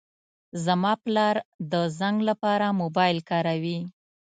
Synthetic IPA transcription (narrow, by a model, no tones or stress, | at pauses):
zamɑplɑɾd̪əzaŋɡlapɑɾamobɑjlkɑɾawi